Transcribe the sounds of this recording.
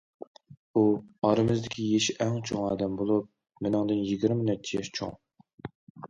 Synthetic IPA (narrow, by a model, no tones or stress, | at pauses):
uɑɾɨmɨzd̪ɪkʲʰijeʃʔɛŋt͡ʃʰoŋɑːd̪ɛmbolˠup̚ | mɪnɪŋd̪ɨnjiɡʲiɾmɪnɛt̪ʰːijɛʃt͡ʃʰo̰ŋ